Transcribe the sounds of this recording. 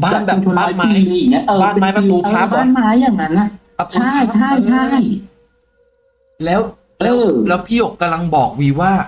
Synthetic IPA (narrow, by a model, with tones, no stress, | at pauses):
baː˧˥˩nbɛː˨˩t̪ʰo˧naː˥˦˥maː˥˦la˧˩niː˧˩ni˦˥˩ʔɤː˧baː˥˩n˧maː˦˥jpa˧uː˧aː˧˥˩p̚aː˥˩maː˦˥jːaː˨˩ŋna˦˥nːa˧˩˧ | t͡ɕʰa˥˩jt͡ɕʰa˥˩jt͡ɕʰa˥˩j | lɛː˦˥w | lɛ˧˥wlɛː˦˥wpʰiː˥˩jo˨˩kka˧mla˧ŋbɔː˨˩k̚wiː˧waː˥˩